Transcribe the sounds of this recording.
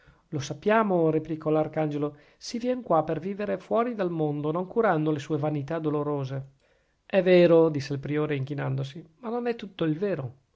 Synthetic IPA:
losapːjaːmoɾeplikɔlarkand͡ʒelo | sivjɛŋkwaperviːveɾefwɔːɾid̪almond̪onoŋkuɾand̪olesuːevanit̪ad̪oloɾoːze | ɛveːɾod̪isːeilpɾioːɾeiŋk̟inand̪osimanːonɛt̪ːut̪ːoilveːɾo

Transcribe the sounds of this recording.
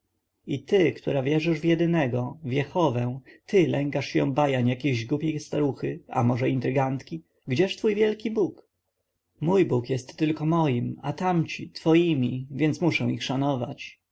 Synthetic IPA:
it̪ɘkt̪uɾavʲjɛʐɘʐvjɛd̪ɘnɛɡɔvʲjɛxɔvɛ̃t̪ɘlɛŋkaʂjɔ̰̃w̃bajaɲjakʲeʑɡupʲejst̪aɾuxɘa̰mɔʐɛint̪ɾɘɡant̪kʲi | ɡd͡ʑɛʂt̪fujvʲjɛlkʲibuk | mujbukjɛst̪ːɘlkɔmɔjimat̪amt͡ɕit̪fɔjimʲivʲjɛntsmuʂɛ̃w̃ixʂanɔva̰t͡ɕ

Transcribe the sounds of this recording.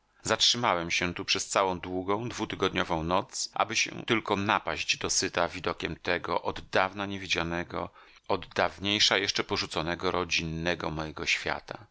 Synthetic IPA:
zatʂɘmawɛmɕɛt̪upʂɛst̪sawɔ̃w̃d̪wuɡɔ̃w̃d̪vut̪ɘɡɔd̪ɲɔvɔ̃w̃nɔt̪sʔa̰bɘɕɛ̰t̪ɘlkɔnapaʑd͡ʑd̪ɔsɘt̪avʲid̪ɔkʲɛmt̪ɛɡɔʔɔd̪ːavnaɲevʲid͡ʑanɛɡɔ̰ | ɔd̪ːavɲejʂajɛʂt͡ʂɛpɔʐut̪sɔnɛɡɔɾɔd͡ʑinːɛɡɔmɔjɛɡɔɕfʲja̰t̪a

